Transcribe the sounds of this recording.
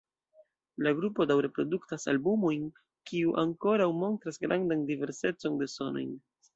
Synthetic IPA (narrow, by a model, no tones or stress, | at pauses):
laɡɾupo̞dawɾe̞pɾo̞duktasalbumo̞jn | kiuʔaŋko̞ɾawmo̞ntɾasɡɾa̰ndandive̞ɾse̞t͡so̞nde̞so̞no̞̰jn